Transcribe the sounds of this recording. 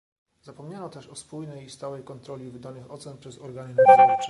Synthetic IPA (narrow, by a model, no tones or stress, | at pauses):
z̥apɔmɲanɔt̪ɛʂɔspujnɛjist̪awɛjkɔnt̪ɾɔlʲivɘd̪anɘxɔt̪sɛnpʂɛzɔɾɡanɘnasɾaa